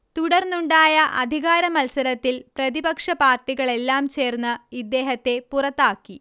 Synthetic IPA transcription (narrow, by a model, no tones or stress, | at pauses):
t̪uɽɐrnuɳɖaːjɐʔɐd̪ʱiɣaːɾɐmɐlsɐɾɐt̪ːilprɐðibɐkʂɐpaːrʈːiɣɐɭe̞lːaːmt͡ɕe̞ːrnːɨid̪ːe̞ːɦɐt̪ːe̞purɐt̪ːaːkːi